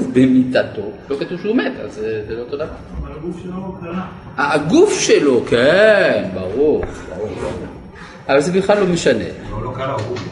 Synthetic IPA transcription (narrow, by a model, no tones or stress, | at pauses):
bemit̪at̪o̞lokat̪uvʃeumet̪a̰lzezeloot̪od̪avaʁ | aːɡufʃelo̞kʰenbaʁuʁba̰ʁuʁba̰ʁuʁ | avalzebiχlalːo̞meʃanḛ